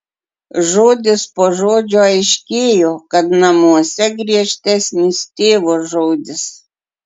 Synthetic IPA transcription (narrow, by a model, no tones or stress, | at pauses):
ʒoːd̪ʲɪspoːʒoːd͡ʒʲoːɐɪʃʲkʲeːjoːkɐt̪nɐmuɔsʲɛɡɾʲiɛʃʲt̪ʲɛsʲnʲiːst̪ʲeːʋosʒoːd̪ʲɪs